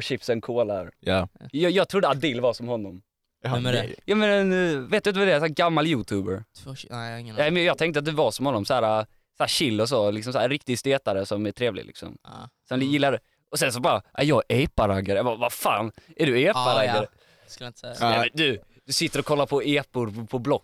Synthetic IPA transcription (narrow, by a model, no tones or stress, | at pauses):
ɕɪpsənkʰoːlaɾjɑjɑːɡt̪ʰɾud̪əad̪ɪlːvasɔmhɔnːɔm | jɑmɛnɛnveːt̪d̪ɵat̪vd̪ɛsæːɡamːaljʉːt̪ʰʉːbəɾt̪ʰːŋnɛmɛnjɑːɡ̚t̪ɛŋkt̪əat̪̚d̪ʉvasɔmhɔnːɔmsæːɾa | sahæːɕɪlːʊs̬ɔlɪks̬ɔmsaæːɾɾɪkt̪ɪɡst̪eːt̪aɾəsɔmæʈʰɾeːvlɪ̰lɪ̰ksɔ̰msɛnjɪlːaɖɛ | ɔsɛnsɔbɑːɾaʔajɑɡɛpːaɾaɡaɾjɑbavafa̰ːnæɖɵeːpːaɾaɡaɾə | klt̪ːɛmɛd̪ʉ | d̪̥ɵsɪt̪ːəɾɔkʰɔlːaɾpʰɔeːpʊɾpʰɔblɔkː